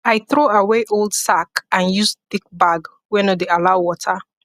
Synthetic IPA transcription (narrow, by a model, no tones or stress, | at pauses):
ajθɹoaweʔolˠdsakãnjusθik̚baɡ | wɛnodealaʊwɔtʰa